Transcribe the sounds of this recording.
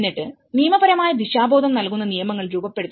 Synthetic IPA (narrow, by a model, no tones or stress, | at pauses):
nːiʈːɨ | nijɐmɐbɐɾɐmaːjɐd̪iɕaːbo̞ːd̪ɐmnɐlkunːɐnijɐmɐŋːɐɭɾuːbɐpːe̞ɽut̪ː